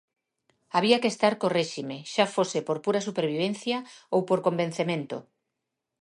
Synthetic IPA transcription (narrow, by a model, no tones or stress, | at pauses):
aβ̞iakest̪aɾkoreʃimeʃafosepoɾpuɾasupeɾβ̞iβ̞enθjaowpoɾkombẽn̟θemẽnt̪o̰